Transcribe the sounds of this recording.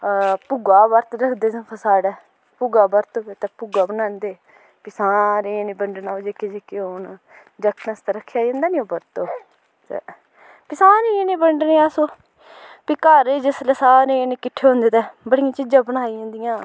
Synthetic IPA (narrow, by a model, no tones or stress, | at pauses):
pʊɡaːbəɾt̪ɾəkʰd̪eːsə̃kʰəsaːɽɛː | pʊɡaːbəɾt̪obet̪eːpʊɡaːbənaːnd̪eː | pɪsãːɾeːneːbəɳɖnaːod͡ʒeːked͡ʒeːkeoːn | d͡ʒəkʰnəst̪aːɾəkʰːjaːd͡ʒãːnd̪aːnĩːoːbəɾt̪oː | t̪ḛ | pɪsãːɾiniːbəɳɖneːasoː | piːkəɾeːd͡ʒɪsleːsaːɾeːneːkɪʈʰːeːɦõːnd̪eːt̪eːbəɽɪjãːt͡ʃɪd͡ʒãːbəɽ̃aːiãːnd̪ɪjãː